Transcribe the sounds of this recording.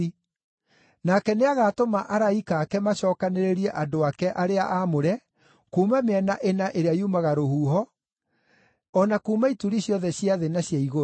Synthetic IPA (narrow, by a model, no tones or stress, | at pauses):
i | nakɛneaɣaːtomaʔaɾaikaːkɛmaɕɔːkaneɾeɾiɛʔadoakɛʔaɾeaʔamoɾɛ | kuːmameɛnaʔenaʔeɾeajumaɣaɾohuːɦɔ | nakuːmaituɾiɕjɔðɛɕjaðenaɕjaiɣo